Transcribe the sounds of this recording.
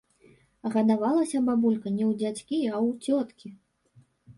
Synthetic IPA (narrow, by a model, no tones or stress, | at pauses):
ɣɐd̪avalˠɐsʲɐbabulʲkɐnʲɛwd͡zʲat͡sʲkʲiɐwt͡sʲɔt̪kʲi